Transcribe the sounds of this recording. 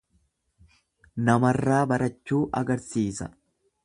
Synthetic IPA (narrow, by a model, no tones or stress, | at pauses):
nɐmɐrːaːbɐɾɐt͡ʃːuːʔɐɡɐɾsiːsɐ̰